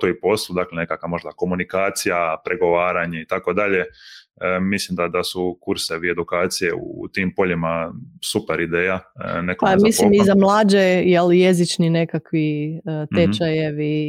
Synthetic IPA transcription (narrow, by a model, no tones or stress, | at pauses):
t̪oipo̞slˠud̪aːkle̞ne̞kakamo̞ʒd̪ako̞munikaːt̪sijapɾeɡo̞ʋaːɾaɲeit̪ako̞d̪aʎe | mislimd̪ad̪asukuɾseʋie̞d̪ukaːt̪sijeṵt̪iːmpo̞ʎimasupeɾid̪eːjanekpamislimizamlˠaːd͡ʒejeljezit͡ʃnine̞kakʋit̪et͡ʃajeʋi